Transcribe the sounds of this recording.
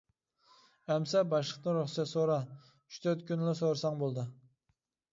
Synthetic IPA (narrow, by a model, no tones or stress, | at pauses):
ɛmsɛbɑʃləqt̪ɨɾuχsɛsoɾɑ | yt͡ʃt̪ʰøɾt̪kʲʰynlɪsoɾsɑŋbolˠd̪ɨ